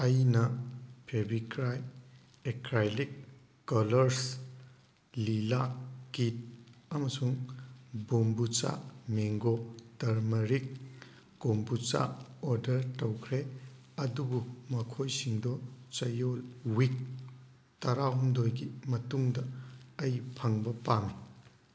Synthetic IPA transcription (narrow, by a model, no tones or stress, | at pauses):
ɐjnɐpʰebikɾaj | ekɾajlikː | ɔlɐɾs | lilakit̚ɐmɐsuŋbombut͡ʃa̰meŋɡɔtɐɾmɐɾik̚ː | ombut͡ʃa̰ɔɾdɐɾtɐwkʰɾe | ɐdubumɐkʰojsiŋdɔt͡ʃɐjolwik̚ | tɐɾawumdojɡimɐtuŋdɐːjpʰɐŋbɐpame